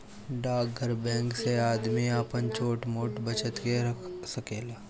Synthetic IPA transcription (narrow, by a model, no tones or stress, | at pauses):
ɖaːɡʱəɾbɛ̃ːŋkseaːd̪miaːpənt͡ʃoːʈmoːʈbɐt͡ʃət̪kesɐkeːlaː